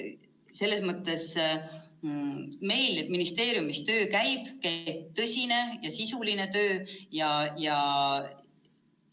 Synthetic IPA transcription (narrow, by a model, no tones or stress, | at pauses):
se̞lːe̞smɤt̪ˑːe̞s | me̞jlet̪minist̪e̞ːɾjumist̪ø̞ːkæjb̥kæb̥̚t̪ɤsʲine̞jɑsisuline̞t̪ø̞ːjɑjɑ